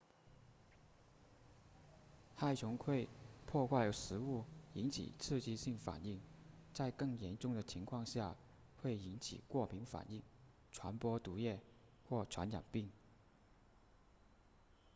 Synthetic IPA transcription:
xa˥˩ɪt͡ɕʰʊ˧˥ŋkʰwe˥˧ɪpʰwɔ˥˧xwa˥˩ɪə˧˥ʂɻ̩˧˥u˥˩i˧˥nt͡ɕʰḭ˨˩t͡sʰɹ̩˥˧t͡ɕi˥˧ɕi˥˩ŋfa̰˨˩ni˥˩ŋt͡sa˥˧ɪkɤ˥˩ŋjɛ˧˥nʈ͡ʂʊ˥˩ŋd̪ə˩t͡ɕʰi˧˥ŋkʰwɑ˥˧ŋɕja˥˧ | xwe˥˩ɪi˧˥nt͡ɕʰḭ˨˩kwɔ˥˩pʰi˧˥ŋfa̰˨˩ni˥˩ŋ | ʈ͡ʂʰwa˧˥npwɔ˥t̪u˧˥jɛ˥˩ | xwɔ˥˩ʈ͡ʂʰwa̰˧˥nja̰˨˩ŋpi˥˩ŋ

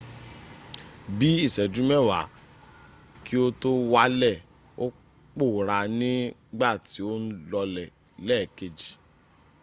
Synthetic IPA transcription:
bi˨˦i˦˨sɛ˨d͡ʒũ˨˦mɛ˦˨wa̰˨˦ | ki˦o˦to˦wa˦lɛ˦˨ | o˦ | k͡po˦˨ɾa˧nĩ˦ | ɡ͡ba˦˨ti˨˦o˦n̩˦lɔ˧lɛ˨ | lɛ˦˨ke˨d͡ʒi˨

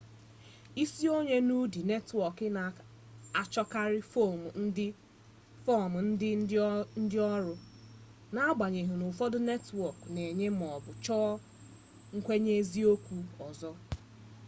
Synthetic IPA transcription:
i˦si˦o˦ɲe˦nu˦di˨ne˦twɔ˨kɪ˦na˨ | a˨t͡ʃɔ˦ka˦ɾɪ˦fo˦˨m˨n̩˦dɪ˦ | fɔ˦˨m̩˨n̩˦dɪ˦n̩˦dɪ˦ɔ˦ɾʊ˦ | na˦a˦ɡ͡ba˨ɲe˨ɦʊ˨nʊ˨fɔ˦dʊ˦ne˦twɔ˨kne˨ɲe˦m̩˨ɔ˨bʊ˨t͡ʃɔː˦ | ŋ̩˦kʷe˦ɲe˦zi˦o˦kʷu˦ɔ˨zɔ˦

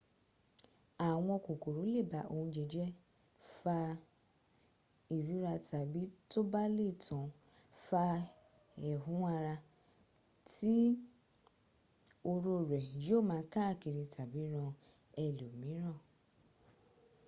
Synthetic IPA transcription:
a˨w̃ɔ̃˧ko˨ko˨ɾu˨˦le˦˨ba˨ʔo˧˨hũ˧d͡ʒe˧d͡ʒɛ˦ | fa˧ | i˨ɾu˨˦ɾa˧ta˨bi˨˦to˦ba˦le˦˨tʰɔ̃˨ | fa˧ | ɛ˨ɦũ˨˦a˧ɾa˧ | tʰi˦ | o˧ɾo˧ɾɛ˨joː˦˨mãː˨˧˦ka˦˨ki˨˧ɾi˧tʰa˨bi˨˦ɾ̃ã˧ | ɛ˧lo˨mĩ˨˦ɾ̃ã˦˨

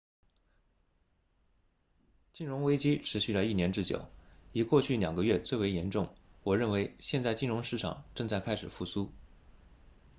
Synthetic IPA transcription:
t͡ɕi˥˩nɻʊ˧˥ŋwe˥ɪt͡ɕi˥ʈ͡ʂʰɻ̩˧˥ɕy˥˩lə˨˩i˥˩njɛ˧˥nʈ͡ʂɻ̩˥˩t͡ɕjo̰˨˩˦ʊi˨˩kwɔ˥˧t͡ɕʰy˥˩ljɑ̰˨˩ŋɡə˧˦ɥɛ˥˧t͡swe˥˩ɪwe˧˥ɪjɛ˧˥nʈ͡ʂʊ˥˩ŋwɔ˨˩ɻə˥˩nwe˧˥ɪɕjɛ˥˧nt͡sa˥˧ɪt͡ɕi˥˧nɻʊ˧˥ŋʂɻ̩˥˩ʈ͡ʂʰɑ̰˨˩ŋʈ͡ʂɤ˥˧ŋt͡sa˥˩ɪkʰa˥ɪʂɻ̩˨˩fu˥˩su˥

